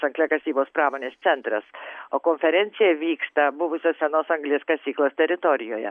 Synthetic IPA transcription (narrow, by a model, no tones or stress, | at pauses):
sɐŋɡlʲɛkɐsʲiːboːspɾɑːmoːnʲeːst̪sʲɛnt̪ɾɐsoːkoːnʲfʲɛɾʲɛnʲsʲɪjɛʋʲiːkst̪ɐbʊʋʊsʲoːssʲɛnoːsɐŋɡlʲeːskɐsʲiːklˠost̪ʲɛɾʲɪt̪oːɾʲɪjoːjɛ̰